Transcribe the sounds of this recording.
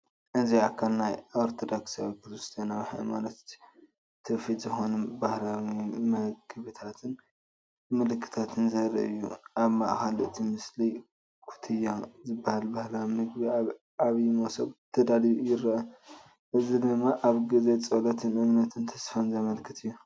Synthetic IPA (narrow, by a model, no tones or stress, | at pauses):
ʔɨnziakʰɐlnajʔoɾt̪ʰod̪oksawikʰɨzust̪ʰɐnaβħɨ̰manɐt̪ | t̪ʰɨfizɨxo̞nbahlawimɐɡɨβɨt̪ʰat̪ʰɨn | mɨlɨkʰːɨ̥t̪ʰat̪ʰɨnzɐɾɐ̰ʔɨjːuʔaβma̰ʔxalɨt̪ʰimɨsli | kʰu̥t̪ʰɨjazɨbːahalbahlawimɨɡbiaβ | aβimosɐbt̪ʰɐd̪aljujɪɾɐʔɐ | ʔɨzid̪ɨmːaʔaβɡize̞t͡sʼolɐt̪ʰɨnʔɨmnɐt̪ʰɨnt̪ʰɐsfɐnzɐmɐlkʰɨt̪ʰɨjːu